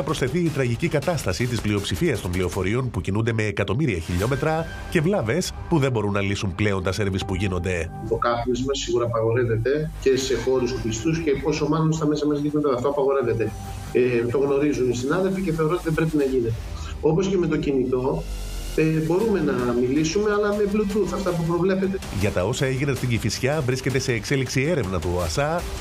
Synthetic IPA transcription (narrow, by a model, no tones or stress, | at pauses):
ɐpɾo̞sθe̞θiːt̪ɾɐʝicikɐt̪ɐst̪ɐsit̪isplio̞psifiɐst̪o̞mplio̞fo̞ɾio̞npucinund̪e̞me̞ːkɐt̪o̞miɾiɐçiʎo̞me̞t̪ɾɐ | ce̞vlɐve̞spuðe̞mbo̞ɾunːɐlisumple̞o̞nt̪ɐse̞ɾvispuʝino̞nd̪e̞ipo̞kɐθnizmɐsːiɣuɾɐpɐɣo̞ɾe̞ve̞t̪e̞ce̞se̞xo̞ɾust̪upist̪usceposomɐnunst̪ɐmesɐmɐzʝinɐɐɐft̪oɐpɐɣo̞ɾe̞ve̞t̪e̞ | et̪o̞ɣno̞ɾizunisinɐðe̞lfice̞θeoɾoot̪iðembɾe̞pinɐʝine̞t̪e̞ | o̞po̞sce̞me̞t̪o̞cinit̪o̞ | ebo̞ɾume̞nɐmilisume̞ɐlɐme̞plut̪uθɐft̪ɐpup̬ɾo̞vle̞pe̞t̪eʝɐt̪ɐo̞sɐe̞ʝinɐst̪iɲɟifisçɐvɾisce̞t̪e̞se̞ːkse̞liksie̞ɾe̞vnɐt̪uoɐsɐ